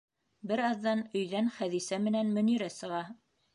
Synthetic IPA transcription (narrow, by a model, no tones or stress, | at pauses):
bɘɾɑðːɑnɵ̆jðænχæðisæmɘ̆nænmɵ̆niɾæsɤ̆ʁɑ